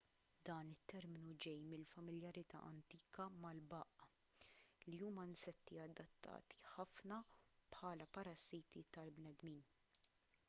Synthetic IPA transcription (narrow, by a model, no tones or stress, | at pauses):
d̪ɐːnɪt̪ːɛɾmɪnud͡ʒɛjmɪlfɐmɪljɐɾɪt̪ɐ̰ːʔɐ̰nt̪iːkɐmɐlbɐːʔɐ | liuːmɐnsɛt̪ːiɐd̪ːɐt̪ːɐ̰ːt̪i̥ħɐfnɐpħɐːlɐpɐɾɐsiːt̪it̪ɐlbnɛd̪miːn